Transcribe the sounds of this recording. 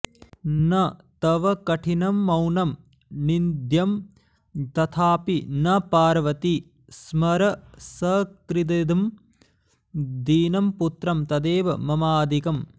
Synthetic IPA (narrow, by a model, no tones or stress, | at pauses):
nɐt̪ɐʋɐkɐʈʰinɐmːɐwnɐm | nind̪ʱjɐm | t̪ɐt̪ʰaːpinɐpaːɾɐʋɐt̪i | smɐɾɐsɐkɾid̪ɐd̪ɐm | d̪iːnɐmput̪ɾɐmt̪ɐd̪eːʋɐmɐmaːd̪ikɐm